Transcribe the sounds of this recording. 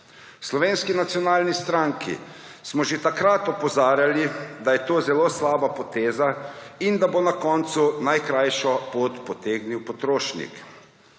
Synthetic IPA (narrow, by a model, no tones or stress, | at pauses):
slɔʋeːnskinat̪siɔnaːlnist̪ɾaŋkʰḭ | smɔʒet̪akɾat̪ɔpɔzaːɾjalid̪ajɛt̪oːzɛloːslaːbapɔt̪eːzaind̪abonakɔːnt̪sunajkɾajʃɔpoːt̪pɔt̪eːɡniwpɔt̪ɾoːʃnḭk